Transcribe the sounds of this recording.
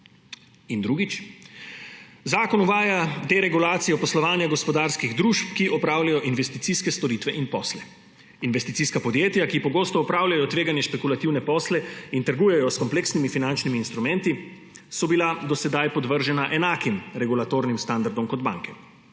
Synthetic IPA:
ind̪ɾuɡit͡ʃ | zaːkɔnuʋaːjad̪eɾɛɡulaːt̪sijɔpɔslɔʋaːnjaɡɔspɔd̪aɾskiɣd̪ɾuːʃpkiʔɔpɾaːwlajɔʔinʋɛst̪it̪siskɛst̪ɔɾiːt̪ʋɛʔinpɔːslɛ | inʋɛst̪it̪siskapɔd̪jeːt̪jakipɔɡoːst̪ɔːpɾaːwlʲjajɔt̪ʋeːɡanjɛʃpɛkulat̪iwnɛpɔːslɛint̪əɾɡuːjɛjɔskɔmpleksnimifinant͡ʃnimiːnst̪ɾumɛnt̪i | sɔbilad̪ɔsɛd̪ajpɔd̪ʋəɾʒɛnaʔɛnaːkimɾɛɡulat̪oːɾnimst̪and̪aɾd̪ɔmkɔd̪ba̰ŋkɛ

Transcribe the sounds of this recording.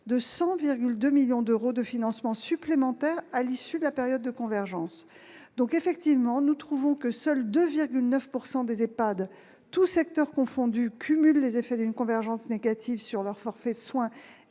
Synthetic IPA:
d̪əsɑ̃viʁɡʲyld̪ømiljɔ̃d̪øʁod̪əfinɑ̃smɑ̃syplemɑ̃t̪ɛʁalisyd̪əlapeʁjɔd̪ːəkɔ̃vɛʁʒɑ̃s | d̪ɔ̃kefɛk̚t̪ivmɑ̃nut̪χuvɔ̃kəsœld̪øviʁɡʲylnœfpuʁsɑ̃d̪ezepad̪ | t̪usɛk̚t̪œʁkɔ̃fɔ̃d̪ykʲʰymylːezefɛd̪ynkɔ̃vɛʁʒɑ̃sneɡat̪ʰivsyʁlœʁfɔʁfɛswɛ̃

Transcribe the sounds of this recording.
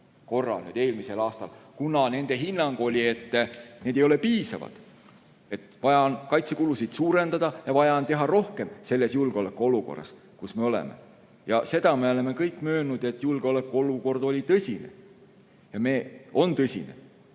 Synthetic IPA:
ko̞rːɑ̰lny̰d̪e̞ːlmise̞lɑːst̪ɑ̰lkunɑne̞nd̪̥e̞ɦinːɑŋɡ̥o̞lʲie̞t̪ːne̞ːd̪ejo̞le̞piːsɑ̰vɑ̰d̪̥ | e̞t̪vɑjɑnkɑjt̪se̞kulusid̪̥suːɾe̞nd̪̥ɑd̪̥ɑjɑvɑjɑnt̪e̞ɦɑɾo̞hke̞mse̞lːe̞sjulɡ̥eo̞lekːˑuo̞luko̞̰rːɑ̰s | kusmeo̞lḛme̞̰ | jɑse̞d̪̥ɑme̞o̞le̞me̞kɤjkːˑmø̞ːnud̪̥e̞t̪ːjulɡ̥o̞le̞kːˑuo̞luko̞rd̪̥o̞lʲit̪ɤsʲinḛ | jɑme̞ːo̞nt̪ɤsʲḭnḛ

